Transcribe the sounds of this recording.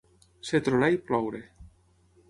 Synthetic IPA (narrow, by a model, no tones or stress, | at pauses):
set̪ɾolajplɔwɾe